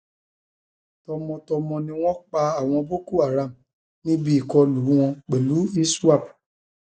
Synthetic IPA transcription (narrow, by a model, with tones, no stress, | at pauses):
tɔ˧mɔ̃˧tɔ˧mɔ̃˧nĩ˧w̃ɔ̃˦k͡pa˧a˨w̃ɔ̃˧bo˦ku˦˨a˨ɾa˨m˨ | nĩ˦bi˦i˦˨kɔ˧lu˨˦w̃ɔ̃˧k͡pe˨lu˨˦i˦su˦a˦˨p